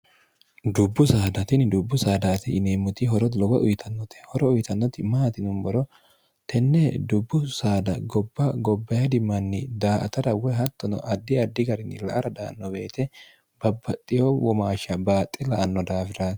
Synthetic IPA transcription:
d̪ʊbːʊsaːd̪ɐt̪ɪnɪd̪ʊbːʊsaːd̪aːt̪ɪɪneːmːʊt̪ɪɦɔɾɔlɔwɐʔʊjt̪ʰɐnːɔt̪ɛ̥hɔɾɔʊjt̪ɐnːɔt̪ɪmaːt̪ɪnʊmbɔɾɔ | t̪ʰɛnːɛd̪ʊbːʊsaːd̪ɐɡɔbːɐɡɔbːɐjɐd̪ɪmːɐnːɪd̪aːʔɐ̰t̪ɐdɐwɛɦɐt̪ːɔnɔ̰ʔɐd̪ːɪɐd̪ːɪɡɐɾɪnːɪlɐ̰ʔɐɾɐd̪a̰ːnːɔbeːt̪ɛ | b̥ɐbːɐt̪ʼːɪjowɔmaːʃɐbaːt̪ʼːɛlɐʔɐnːɔd̪aːfɪɾa

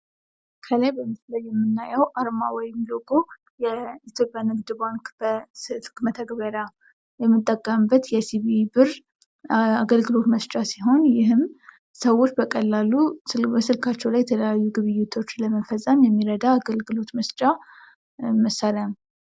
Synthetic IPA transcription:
kʰəlajbəmɨsləjjːɛmːɨnːajɛwʔaɾmawɔjɛmːiloɡʼo | jɛit̪ʰjo̞pʼjanɨɡd̪baŋkbəsɨlkmət̪ʰəɡβəɾa | jɛmːɨt̪ʼːəkʼːəmbːət̪jɛsiβibɨɾ | aɡəlɡɨlo̞t̪məst͡ʃʼasiɦo̞njɪɦɨm | səwo̞t͡ʃːbəkʼəlːalubəsɨlkʰat͡ʃːɛwlajɛt̪ʰələjajːuɡɨβɨjːɪt̪ʰo̞t͡ʃːləməfəsʼəmjɛmːiɾəd̪aːɡəlɡɨlo̞t̪məst͡ʃʼa | məsalən

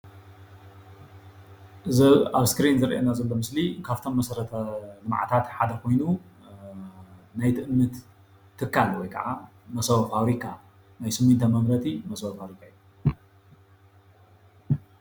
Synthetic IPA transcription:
ʔɨzɐaβskɾinzɨɾʔḛnazɐlːo̞mɨslikʰaβt̪ʰo̞mːɐsɐɾɐt̪ʰɐlɨmʕa̰t̪ʰat̪ħad̪ɐkʰo̞jnu | najt̪ʰɨʔɨmːɨt̪ʰː | ɨkʰːalwɔjkʰɐ̰ʕa | mɐsɐwɐfaβɾikʰa | najsɨmunt̪ʰɐmɐmɾɐt̪ʰimɐsɐwɐfaβɾikʰaijːu

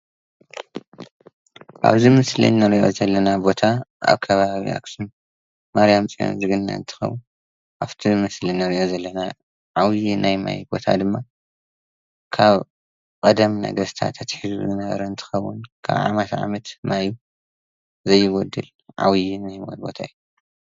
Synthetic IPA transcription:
ʔa̰βzimɨslḭnːɐɾiʔo̞̰zɐlːɐnabo̞t̪ʰaʔa̰βkʰɐβaβḭʔa̰ksun | maɾjamt͡sʼio̰nzɨɡɨnːa̰ɨ̰nt̪ʰɨ̥xɐ̰wːu | ʔaβt̪ʰimɨslɨnːɐɾiʔo̞zɐlːɐna | ʕawjinajma̰jbo̞t̪ʰa̰d̪ɨmːa | kʰaβ | kʼɐd̪ɐmnɐ̰ɡɐst̪ʰa̰t̪ʰːɐt̪ħɨzzɨnɐβɐ̰ɾɐɨnt̪ʰɨ̥xɐwːʊ̰nkʰa̰βʕa̰mɐt̪ʕa̰mɐt̪maju | zɐjːɪɡɔd̪ɨl | ʕa̰wjinajbo̰bo̞̰t̪ʰaɨju

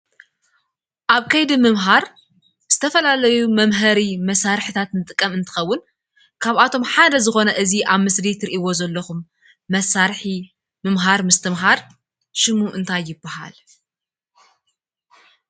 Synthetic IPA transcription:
ʔaβkʰɐjd̪imɨmɦaɾ | z̥ɨt̪ʰɐfɐlalɐjumɐmɦɐɾimɐsaɾħit̪ʰat̪nɨt̪ʼɨkʼːɐmɨnt̪ʰɨ̥xɐwːʊn | kʰaβat̪ʰo̞mħad̪ɐzɨxo̞nɐʔɨziʔaβmɨslit̪ʰɨɾʔiwo̞zɐlːɐxumː | ɐsːaɾħi | mɨmɦaɾmɨst̪ʰɨmɦaɾ | ʃɨmuʔɨnt̪ʰajːɪbːaha̰l

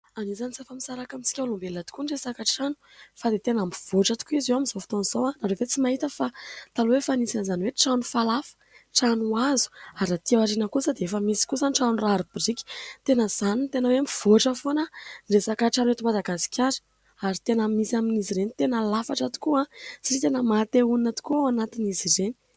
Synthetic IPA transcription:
anizanisafamisaɾakamit͡si̥kʲawlombelːat̪i̥kunɖ͡ʐesakaʈ͡ʂanu̥ | fad̪et̪enambiv̥oʈ͡ʂat̪u̥kuizewamizofi̥t̪onzowanaɾeet͡simaɦit̪əfat̪aluwefanisinzaniweʈ͡ʂanufalafə̥ | ʈ͡ʂanuazu̥aɾat̪iawaʈ͡ʂinəkusəd̪eefəmisi̥kusanʈ͡ʂanuraɾubirikʲi̥t̪enəzanint̪enəweambivoʈ͡ʂəfonəresakəʈ͡ʂanwet̪imad̪aɡasi̥kʰʲaɾə̥ | aɾit̪enamisaminiziɾenit̪enəlafaʈ͡ʂat̪u̥kuasiɾit̪enəmat̪euninat̪u̥kuanat̪inizireni̥

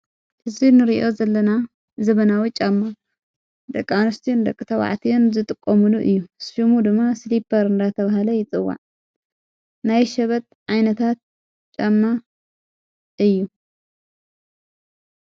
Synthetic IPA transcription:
hɨzinɨɾiʔo̞zɐlːɐna | zɐβɐnawit͡ʃʼamːa | d̪ɐkʼːanɐst̪ʰiund̪ɐkʼːɨt̪ʰɐwa̰ʕt̪ʰijunzɨt̪ʼɨkʼːomuluʔɨjːusfimud̪ɨmːaslipʰɐɾɨnd̪at̪ʰɐβaɦalɐjɪt͡sʼɨwːa̰ʕ | najʃɐβɐt̪̚ʕajnɐt̪ʰat̪̚ | t͡ʃʼamːa | ɨjːu

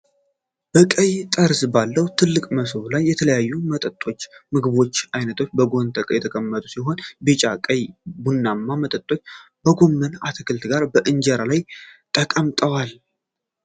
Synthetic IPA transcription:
b̥əkʼəjt̪ʼəɾsbalːəwt̪ʰɨlːɨkʼməsɨβlajːɛt̪ʰələjajːumət̪ʼət̪ʼːo̞t͡ʃːmɨɡɨβo̞t͡ʃːʔajnət̪ʰo̞t͡ʃːbəɡo̞nt̪ʰʼəkʼəjɛt̪ʰəkʼəmːət̪ʼusiɦo̞nbet͡ʃʼakʼəjbunːamːamət̪ʼət̪ʼːo̞t͡ʃː | bəɡo̞mːənat̪ʰəkʰɨlt̪ɡaɾbəʔɨnd͡ʒɛɾalajt̪ʼəkʼəmt̪ʼəwal

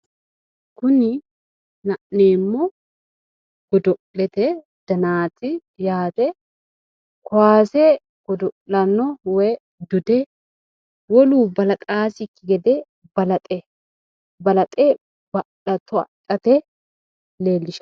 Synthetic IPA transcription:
kʊnɪ | nɐʔneːmːɔ | ɡ̥ɔd̪ɔʔlɛt̪ɛ | d̪̥ɐnaːt̪ɪ | jaːt̪ɛ | kɔwaːsɛ | ɡ̥ɔd̪ɔʔlɐnːɔwɛ | d̪ʊd̪ɛ | wɔluːbɐlɐt̪ʼaːsɪkːɪɡɛd̪ɛ | bɐlɐt̪ʼɛ | bɐlɐt̪ʼe | bɐ | ɐt̪ːɔɐ̰kʼːɐt̪ɛ | leːlːɪʃɐ̥

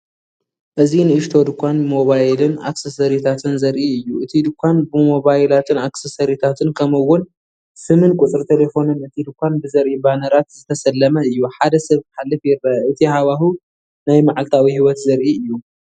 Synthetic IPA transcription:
ʔɨzinɨɨʃt̪ʰo̞d̪ɨkʷːanmo̞βajlɨna̰ksɐsɐɾit̪ʰat̪ʰɨnzɐɾʔiɨjːuʔɨt̪ʰid̪ɨkʷʰːanbɨmo̞βajlat̪ʰɨnaksɐsɐɾit̪ʰat̪ʰɨnkʰɐmɨwːʊn | sɨmɨnkʼʊt͡sʼɨɾt̪ʰelefo̞nɨnɨt̪ʰid̪ɨkʷːanbɨzɐɾʔibanɐɾat̪z̥ɨt̪ʰɐsɐlːɐmɐɨjːuħad̪ɐsɐβkħalːɨfjɪɾːɐʔɨt̪ʰihaβaɦu | najmaʕalt̪ʰawihiwɔt̪zɐɾʔiɨjːu

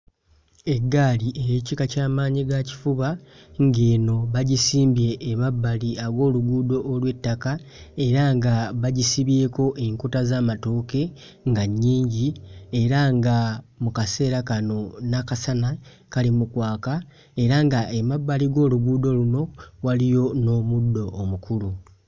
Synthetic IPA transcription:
e̞ɡːaːliʔejeːcikacaːmaːɲiɡaci̥fuβa | ŋɡeːno̞βaɟisiːmbje̞ʔːmaβːaliaɡo̞ːluɡuːdo̞ʔːlwe̞tːakae̞ɾaŋɡaβaɟisiβje̞ːko̞ʔeŋkotazaːmatoːke̞ | ŋɡaɲːiːɲɟie̞ɾaŋɡamukase̞ːɾakano̞nakasana | kalimukwaːka | e̞ɾaŋɡaemaβːaliɡo̞ːluɡuːdo̞luno̞walijo̞no̞ːmudːo̞ʔːmukulu

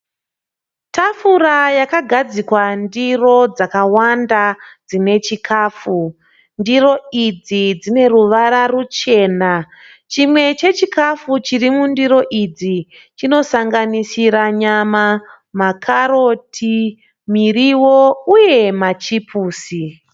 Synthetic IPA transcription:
tafuɾajakaɡʱad͡zikwandiro̞d͡zakawandad͡zine̞t͡ʃikʰaːfu | ndiro̞id͡zid͡zine̞ɾuʋaɾarut͡ʃe̞ːna | t͡ʃimwe̞t͡ʃe̞t͡ʃikafut͡ʃirimundiɾo̞ʔid͡zi | t͡ʃino̞saŋɡanisiɾaɲama | makʰaɾotʰi | miriwo̞uje̞mat͡ʃipʰuːsi

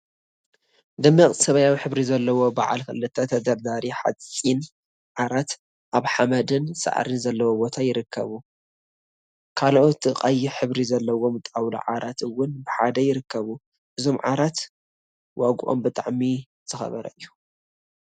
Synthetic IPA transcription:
d̪ɨmːiχʼt̪sɐβajawiħɨβɾizɐlːɐwo̞ba̰ʕa̰lkɨlːɨt̪ʰːɐt̪ʰɐd̪ɐɾd̪aɾiħa̰t͡sʼːin | ʕaɾat̪ | ʔaβħamɐd̪ɨnsa̰ʕ̰ɾɨnzɐlːɐwobot̪ʰajɪɾɨkʰːɐ̰βu | kʰaloʔot̪ːɨqʼajiħɨβɾizɐlːɐwo̞mɨt̪ʼawlṵʕa̰ɾʔat̪ɨwːʊnbɨħad̪ɐjɪɾɨkːɐβu | ʔɨzo̞mʕa̰ɾat̪ | wʔaɡʔo̞̰mbɨt̪ʼaʕmi | z̥ɨxɐ̰βɐ̰ɾɐ̰ɨjːu

